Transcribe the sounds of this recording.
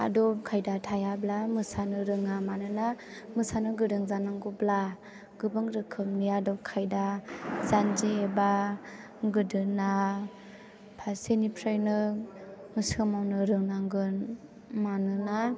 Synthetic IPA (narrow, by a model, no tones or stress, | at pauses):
a̰dɔp̚kʰajdatʰajablamɯsanɯɾɯŋamanɯnamɯsanɯɡɯdɯŋzanaŋɡɔbla | ɡɯbɯŋɾɯkʰɯmniadɔp̚kʰajdazanzieba | ɡɯdɯna | pʰasenipʰɾɯjnɯ | mɯsɯmawnɯɾɯŋnaŋɡɯn | manɯna